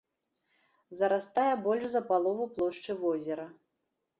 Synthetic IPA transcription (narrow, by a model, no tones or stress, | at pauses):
zɐɾast̪ajɛbɔlʲʂzɐpalˠɔvuplˠɔʂt͡ʂɨvɔzʲɛɾɐ